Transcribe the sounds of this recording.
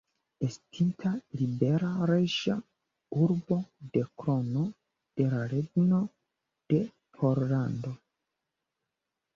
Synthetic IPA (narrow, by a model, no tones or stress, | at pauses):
estʰintʰalibe̞ɾaɾeʒa | uɾbo̞de̞kɾo̞no̞ | d̥e̞laɾeɡno̞ | d̥e̞ | pʰoɾlando̞